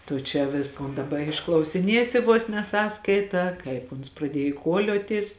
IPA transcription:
tʊ t͡ʃʲɛ ˈʋʲɪskoːn dɐˈbɐ ɪʃklˠɐʊsʲɪˈnʲiɛsʲɪ ʋoːs nʲɛ ˈsɑːskɐɪtɑː ˈkɐɪp ʊns prɐˈdʲiɛj kuɔˈlʲoːtʲɪs

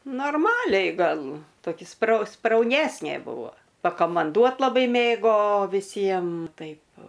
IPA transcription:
noːrˈmɑːlʲɛɪ ˈɡɐlˠ toːˈkʲɪ sprɐʊ sprɐʊˈnʲæːsʲnʲeː ˈbʊʋoː pɐkɐmɐnˈduɔt lˠɐˈbɐɪ ˈmʲeːɡoː ʋʲɪˈsʲiɛm ˈtɐɪp

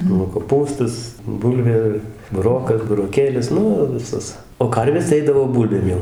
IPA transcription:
nʊ koːˈpuːstɐs ˈbʊlʲʋʲeː bʊˈroːkɐs bʊroːˈkʲeːlʲɪs ˈnʊ ʋʲɪˈsɐs oː ˈkɐrʲʋʲeːs tɐɪ ˈɛɪdɐʋoː ˈbʊlʲbʲeːm jɛʊ

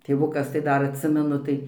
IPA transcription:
tʲeːˈʋʊkɐs tɐɪ ˈdɐr ɐtʲˈsʲɪmʲɛnʊ tɐɪ

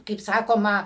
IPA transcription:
kɐɪp ˈsɑːkoːmɐ

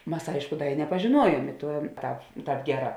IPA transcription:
ˈmɐs ˈɐɪʃkʊ ˈdɐ ɪ nʲɛpɐʒʲeːˈnuɔˌjuɔm ɪ ˈtuɔ tɐ ˈtɑːp ˈɡʲæːˌrɑː

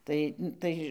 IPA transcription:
ˈtɐɪ ˈtɐɪ

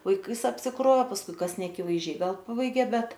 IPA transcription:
ʋɐɪˈkɐɪs ɐpʲsʲɪˈkroːw pɐsˈkʊɪ ˈkɐs nʲɛɐkʲɪʋɐɪzʲˈd͡ʒʲɛɪ ˈɡɐlˠ ˈpɑːbɐɪɡʲeː ˈbʲɛt

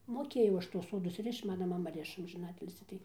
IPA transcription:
moːˈkʲeːjɛʊ ˈɐʃ tuɔs ˈsoːdʊs ˈrʲɪʃt͡ʃ ˈmɑːnɐ mɐˈmɐ ˈrʲɪʃɐ ɐmʲʒʲɪˈnɑːtʲɪlʲsʲiː tɐɪ

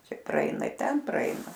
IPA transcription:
ˈt͡ʃʲɛ prɐˈɛɪnɐ ɪ ˈtʲɛn prɐˈɛɪnɐ

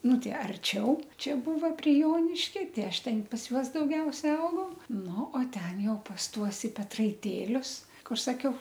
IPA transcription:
ˈnʊ ˈtɐɪ ɐrʲˈt͡ʃʲɛʊ ˈt͡ʃʲɛ ˈbuːʋɐ pʲrʲɪ ˈjoːnʲɪʃʲkʲɛ ˈtʲɪ ˈɐʃ ˈtʲɛn pɐs ˈjuɔs dɐʊˈɡʲɛʊsʲɛ ˈɐʊɡɐʊ ˈnʊ oː ˈtʲɛn ˈjɛʊ pɐs ˈtuɔs ɪ pʲɛtrɐɪˈtʲeːlʲʊs ˈkʊr sɐˈkʲɛʊ

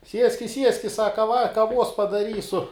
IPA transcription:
ˈsʲiɛsʲkʲɪs ˈsʲiɛsʲkʲɪs ˈsɑːkɐ ʋɐ kɐˈʋuɔs pɐdɐˈrʲiːsʊ

